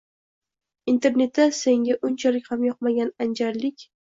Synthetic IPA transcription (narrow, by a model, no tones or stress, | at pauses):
int̪ʰe̞ɾne̞t̪ːase̞ŋɡʲaʔʊnt͡ʃʰalɪkʲhamjɒq̚maɡʲanand͡ʒaɾlɪkʲ